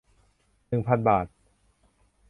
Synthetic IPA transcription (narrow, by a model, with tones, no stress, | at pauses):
nɯ˨˩ŋpʰa˧nbaː˨˩t̪̚